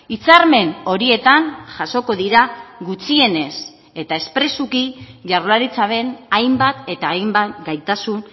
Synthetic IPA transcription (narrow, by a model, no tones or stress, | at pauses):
it͡saɾme̞no̞ɾie̞t̪anʝaso̞ko̞ðiɾaɡut͡sie̞ne̞s | e̞t̪ae̞spɾe̞sukiʝaɾlaɾit͡saβe̞najmbat̪e̞t̪aːjmbat̪ɡajt̪asun